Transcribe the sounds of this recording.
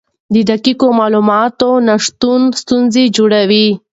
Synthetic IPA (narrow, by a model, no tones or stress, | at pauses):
d̪əd̪akikomɑlumɑt̪onaʂt̪unst̪unzed͡ʒoɽawi